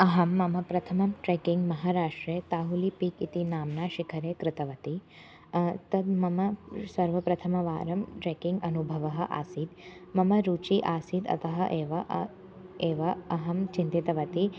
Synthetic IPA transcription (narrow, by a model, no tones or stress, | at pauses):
ɐɦɐmːɐmɐpɾɐt̪ʰɐmɐmʈɾeːkiŋɡmɐɦaːɾaːʂʈɾeːt̪aːɦulipiːkit̪inaːmnaːʃikʰɐɾeːkɾɪt̪ɐʋɐt̪i | t̪ɐd̪mɐmɐsɐɾʋɐpɾɐt̪ʰɐmɐʋa̰ːɾɐmʈɾeːkiŋɡɐnubʱɐʋɐɦɐ̆ʔa̰ːsiːd̪mɐmɐɾuːt͡ʃiʔaːsid̪ɐ̰t̪ɐɦɐʔeːʋɐ | eːʋɐɐɦɐmt͡ʃint̪it̪ɐʋɐt̪i